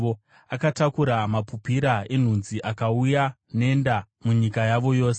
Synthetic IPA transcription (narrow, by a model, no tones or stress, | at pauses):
o | akatakuɾamapupiɾae̞n̤unziʔakauja | ne̞nda | muɲikajaʋo̞jo̞ːse